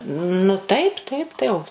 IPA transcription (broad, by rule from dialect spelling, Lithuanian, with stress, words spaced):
nʊ ˈtɐɪp ˈtɐɪp tɐɪ oː